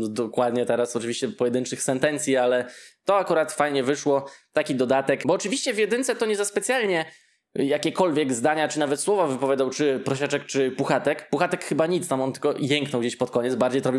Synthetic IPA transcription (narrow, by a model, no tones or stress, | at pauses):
d̪ɔkwad̪ɲɛt̪ɛɾasɔt͡ʂɨvʲiɕt͡ɕɛpɔjɛd̪ɘnt͡ʂɘxsɛnt̪ɛnt̪sʲjialɛt̪ɔakuɾat̪fajɲɛvɘʂwɔt̪akʲid̪ɔd̪at̪ɛkbɔːt͡ʂɨvʲiɕt͡ɕɛvjɛd̪ɘnt̪sɛt̪ɔɲɛzaspɛt̪sʲjalɲɛ | jakʲɛkɔlvʲjɛɡzd̪aɲat͡ʂɘnavɛt̪swɔvavɘpɔvʲjad̪awt͡ʂɘpɾɔɕat͡ʂɛk̚t͡ʂɘpuxat̪ɛkpuxat̪ɛkxɘbaɲit̪st̪amɔnt̪ɘlkɔjɛŋknɔwɡd͡ʑeɕpɔt̪̚kɔɲɛt̪baɾd͡ʑejt̪ɾɔbʲi